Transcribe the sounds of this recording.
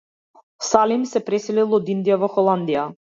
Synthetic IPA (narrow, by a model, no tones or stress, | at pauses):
salimsɛpɾɛsɛlilˠɔd̪ind̪ijavɔxɔlˠand̪ija